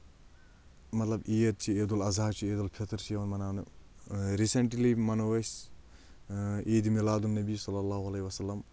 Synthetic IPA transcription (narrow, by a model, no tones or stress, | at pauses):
mɐt̪lɐbijɐt̪̚t͡ʃʰieːd̪ulɐzaːt͡ʃʰieːd̪ulpʰit̪ɾt͡ʃʰiɐʋɐnmɐnaːnɨ | ɾiseɳʈlimɐnowɐs | ʔeːd̪imilaːd̪unːɐbisɐlːɐlːaːɦuɐleːiʋɐsɐlːɐm